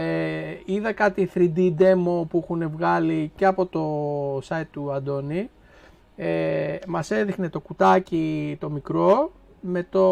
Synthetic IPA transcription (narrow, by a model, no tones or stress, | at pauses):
eiðɐkɐt̪iθɾid̪id̪e̞mo̞puixune̞vɣɐlice̞ɐpo̞t̪o̞sɐjt̪ːuɐnd̪o̞ni | emɐse̞ðixne̞t̪o̞kut̪ɐcit̪o̞mikɾo̞ | me̞t̪o̞